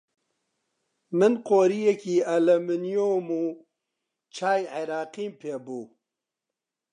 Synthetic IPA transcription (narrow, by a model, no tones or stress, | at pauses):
mɨnqoːɾijekiːɐlɐmɨnijomuː | t͡ʃʰaːjʕeɾaːqiːmpʰeːbuː